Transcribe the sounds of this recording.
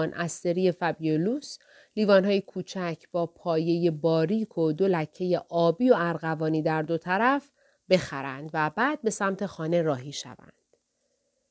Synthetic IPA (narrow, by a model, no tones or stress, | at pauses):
nʔæst̪e̞ɾiːe̞fæbioluːs | liːvɒːnɦɒːjekʰuːt͡ʃʰæcʰb̥ɒːpʰɒːje̞je̞bɒːɾiːkʰod̪o̞læcʰːe̞je̞ʔɒːbiːo̞æɾɣævɒːniːd̪æɾd̪o̞t̪ʰæɾæf | be̞xæɾæ̰nd̪væbæːd̪̚be̞sæmt̪ʰe̞xɒːne̞ɾɒːɦiːʃæ̰væ̰nd̪̥